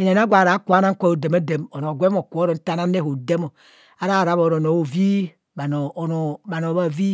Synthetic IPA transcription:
e˨ne˨n˦a˦ɡʷa˨ɾa˨˦ku˨˦a˦na˦ko˦˨o˨de˨ma˦de˨mo˨no˨ɡʷe˦o˨ku˨˦o˦ɾo˨˦n̩˦ta˦na˦ne˦˨ho˨de˦mo˨ | a˦ɾa˦˨ɾa˨˦βo˨ɾo˨no˨o˨vi˦ | ba˨no˨no˨ba˨no˨βa˦˨vi˦

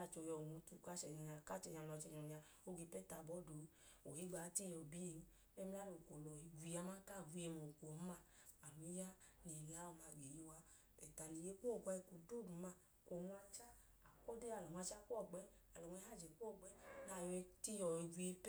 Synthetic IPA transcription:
a˧˨t͡ʃo˧˨jɔ˧˨wu˧˦tu˨˧˨ka˦t͡ʃɛ˨ɲa˨ɲa˨ka˦˨t͡ʃɛ˨ɲa˧lɔ˧˨t͡ʃɛ˨ɲɔ˨ni˧˨a˧ | o˦ɡe˧˦pɛ˦ta˧˨bɔ˨˦do˨˦ | o˨hi˦ɡ͡ba˨˦ti˦jɔ˨bi˦e˧˨n˦ | ɛ˦mi˧˦la˦lo˨ko˨lɔ˨i˨ɡʷi˨˧ja˧ma˦ka˦˨vu˨˧˦e˧mo˨kʷo˨˦a˦ | a˨mi˦ja˦ | ni˨la˨˦wo˨˧ma˧˨ɡe˨je˨˧wa˧ | ɛ˨ta˨ni˨je˧˦ko˦˨ɡʷa˧ko˨do˦˨du˨ma˧˦ | ko˨ŋʷ˧a˧t͡ʃa˦ | a˨ko˦de˦a˨lɔ˨m˧a˧t͡ʃa˦kʷɔ˦˨ɡ͡bɛ˦ | a˨lɔ˨ŋ˧ɛ˧˦a˦˨d͡ʒe˨kʷɔ˦˨ɡ͡bɛ˨˦na˨jɛ˧ti˦jɔ˨i˧ɡʷi˧e˧p

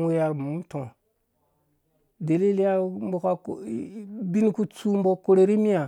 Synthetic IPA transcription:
wu˦ja˨ɾm˨u˦tõ˨ | de˨li˦li˦ja˦mbo˨ka˦kbi˦n˦ku˦t͡su˦m˦bo˦ko˦ɾe˨ɾi˦mi˦a˨

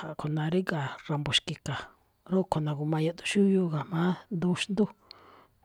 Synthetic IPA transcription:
a˨kʰo˨nã˨˧ɾi˦ɡa˨ra˧mbo˨ʃki˨ka˨ | ɾo˦˨kʰo˨nã˨ɣu˧mã˧ja˧t̪u̥˧ʃu˦ju˧ɣa˨mã˨˦nd̪u˧ʃnd̪u˦

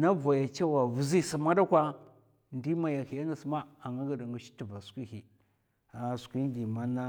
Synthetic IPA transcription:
na˦va˨ja˨t͡ʃa˦wa˨vu˨zi˦si˨ma˦da˦kʷa˦ | ndi˦ma˨ja˨hi˨ja˦na˨si˨ma˦a˨ŋɡa˦ɡa˨da˨ŋɡu˨ʃi̥˦ti˨va˨skʷi˦hi˨ | a˨skʷi˦ŋ˦ɡi˨ma˦na˦

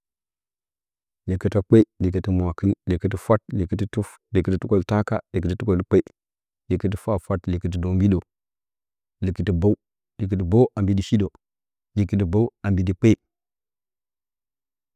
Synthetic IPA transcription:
li˨kə˦ta˦k͡pe˦li˨kə˨ti˦mwa˨ki˦lli˨kə˦ti˦fa˦t̚li˨ki˦ti˦u˦ | li˨kə˦ti˦tu˦ko˦˨lta˦ka˦li˨kə˨ti˦tu˦ko˦˨lk͡pe˦i˦ | li˨kə˦t̬i˦fa˦˨fa˦tli˨kə˦t̬i˦do˨mbi˦do˨ | li˨kə˦ti˨ba˦u˦ | li˨k̬ə˦t̬i˨ba˦wʔa˨mbi˦di˨ʃi˦do˨ | li˨ki˦t̬i˨ba˦wa˨mbi˨di˨k͡pe˦

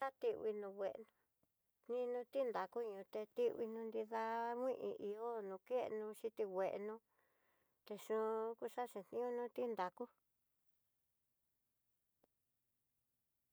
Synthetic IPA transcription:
a˦t̪i˧wḭ˧nũ˧we˨ʔnũ˧ | nĩ˦nũ˧t̪i˦nd̪a˨ku˦ɲũ˧t̪e˧t̪i˦wi˧nũ˧nd̪i˧ða˧mʷĩ˦ʔḭ̃˧ʔi˧o˦nũ˧ke˦˧nũ˧ʃi˧t̪i˧we˨ʔnũ˧ | t̪e˧ʂũ˧˦ku˦ʂa˦ʂĩ˧t̪nĩ˦ũ˦nũ˦t̪i˦nd̪a˨ku˦

